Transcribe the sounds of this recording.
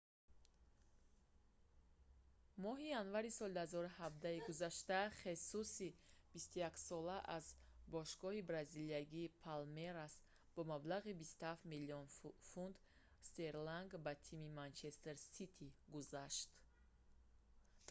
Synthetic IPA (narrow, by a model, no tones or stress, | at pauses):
mɔɦijanvaɾisɔld̪uhazɔɾuhab̚d̪aiɡuzaʃt̪aχe̞susib̥ist̪ujaksɔlaʔazbɔʃɡɔhibɾaziliaɡiːpʰalmeɾas | bɔmablaʁibist̪uhaft̪miliɔnfund̪ | st̪e̞ɾlaŋɡbat̪ʰimimant͡ʃʰe̞st̪e̞ɾsit̪ʰiɡuzaʃt̪